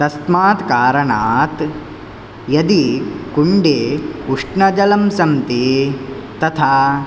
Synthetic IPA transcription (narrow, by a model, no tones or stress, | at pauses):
t̪ɐst̪maːt̪kaːɾɐɳaːt̪ | jɐd̪ikuɳɖeːuʂʈɳɐd͡ʒɐlɐmsɐmt̪e | t̪ɐt̪ʰaː